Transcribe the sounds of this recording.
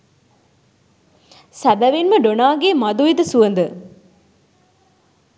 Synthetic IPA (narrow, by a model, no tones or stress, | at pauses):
sæbɐʋinməɖonaːɡeːmɐd̪uʋid̪əsuənd̪ə